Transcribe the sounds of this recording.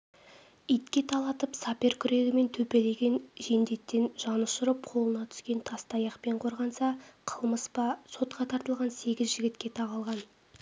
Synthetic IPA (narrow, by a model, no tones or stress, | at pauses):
ijt̪kʲe̞t̪ʰɑlˠɑt̪əpsɑpʲe̞ɾkʲʰʏɾe̞ɡʲɪme̞nt̪ʰɵpe̞le̞ɡʲe̞nʒe̞nd̪e̞t̪ːe̞nʒ̥ɑnəʃʊɾəp̚qʰo̞lˠənɑt̪ʰʏ̥skʲe̞nt̪ʰɑst̪ɑjɑqpe̞ɴqʰo̞ɾʁɑnsɑqʰəlˠməspɑso̞t̪̚qʰɑt̪ʰɑɾt̪əlˠʁɑnse̞ɡʲɪzʒɪɡʲɪt̪kʲe̞t̪ʰɑʁɑlˠʁɑn